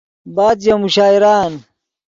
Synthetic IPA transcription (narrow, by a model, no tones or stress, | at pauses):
baːd̪jɐmuɕaːiɾaːn